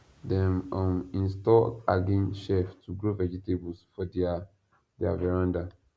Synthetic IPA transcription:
dɛ̃mɔ̃mĩnstɔaɡĩnʃɛftuɡɹovɛd͡ʒitebɔsfɔda | dia̰vɛɹãnda

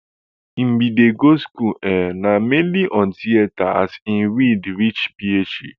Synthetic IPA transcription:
ŋ͡m̩ɡ͡bideɡoskuɛnamenliʔɔ̃ntieta̰sin̩ɾidɾit͡ʃpiet͡ʃḭ

